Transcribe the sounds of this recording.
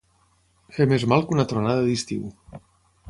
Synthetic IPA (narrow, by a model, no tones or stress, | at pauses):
xemezmalˠkunat̪ɾonaðaðist̪ḭw